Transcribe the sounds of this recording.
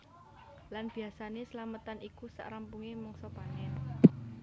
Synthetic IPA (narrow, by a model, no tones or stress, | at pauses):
lanb̥i̤asanesəlamət̪anikusa̰ʔɾampuŋimɔŋsɔpanɛn